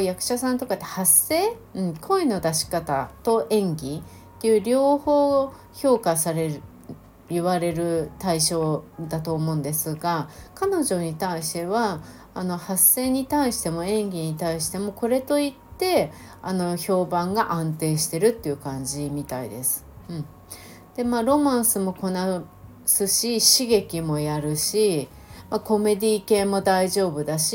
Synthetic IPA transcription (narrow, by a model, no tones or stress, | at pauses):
jakɯ̟̥ɕasãnt̪o̞kat̪ːehase̞ːɯ̟̃ɴkʰo̞ino̞d̪aɕi̥kat̪at̪o̞ʔẽ̞ŋɡʲi | t̪ːejɯ̟ːɾʲo̞ːho̞ː | ço̞ːkasaɾe̞ɾɯ | iβaɾe̞ɾɯ̟t̪aiɕo̞ːd̪at̪o̞ːmõ̞ːnd̪e̞sɨɡakano̞ʑo̞ɲ̟it̪aiɕi̥t̪e̞βaː | no̞hase̞ːɲ̟it̪aiɕi̥t̪e̞mo̞ẽ̞ŋɡʲiɲ̟it̪aiɕi̥t̪e̞mo̞ko̞ɾe̞t̪o̞it̪ːe̞ | ano̞ço̞ːbãŋɡaʔãnt̪e̞ːɕi̥t̪e̞ɾɯ̟t̪ːeiɯ̟kãɲ̟d͡ʑimʲit̪aḭd̪esɨ̥ɯ̟̃ɴ | d̪̥e̞maːɾo̞mãɰ̃sɨmo̞ko̞na | sɨɕiɕiɡe̞kʲimo̞jaɾɯ̟ɕi | mako̞me̞d̪ʲiːke̞ːmo̞d̪aiʑo̞ːbɯ̟d̪aɕi